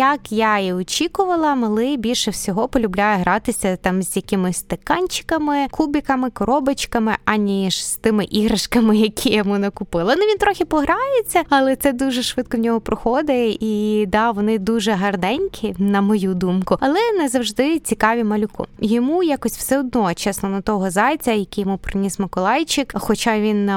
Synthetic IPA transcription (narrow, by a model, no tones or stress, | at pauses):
jɐkjaiɔt͡ʃʲikʊʋɐlˠɐmɐlˠɪbʲilʲʃɛwsʲɔɦɔpɔlʲʊblʲajɛɦɾɑt̪ɪsʲɐt̪ɑmzʲjɐkɪmɪsʲt̪ɪkɑnʲt͡ʃɪ̥kɐmɪkʰubʲikɐmɪkɔɾɔbɐt͡ʃkɐmɪʔɐnʲiʃst̪ɪmɪʔiɦɾɐʃkɐmɪjɐkʲʰijɐmunɐkʊpɪlˠɐnʊʋʲint̪ɾɔxʲɪpɔɦɾɑjet͡sʲːɐɐlˠɛt̪sɛd̪uʒɛʃʋɪt̪̚kɔwnʲɔɦɔpɾɔxɔd̪ɪjid̪ɑʋɔnɪd̪uʒɛɦɐrd̪ɛnʲkʲʰinɐmɔjud̪umkʊɐlˠɛnɛzɐwʒd̪ɪt͡sʲikɑʋʲimɐlʲʊkɔ̰jɔmujakɔsʲtʲw̥sɛɔd̪nɔt͡ʃɛsnɔnɐt̪ɔɦɔzɑjt͡sʲɐjɐkʲijɔmupɾɪnʲismɐkɔlˠɑjt͡ʃɪkxɔt͡ʃɑʋʲin